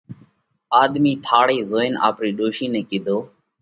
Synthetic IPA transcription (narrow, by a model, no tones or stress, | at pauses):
aːd̪miːt̪ʰaːɽiːzoːɪna̰ːpɾiːɗoːʃiːnɛ̃ːkiːd̪ʱoː